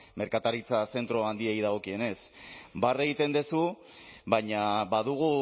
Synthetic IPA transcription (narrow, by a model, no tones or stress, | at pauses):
me̞ɾkat̪aɾit͡sase̞nt̪ɾoand̪iejðaɣ̞o̞kie̞ne̞sbare̞ɣit̪e̞nd̪esu | baɲaβaðuɣ̞u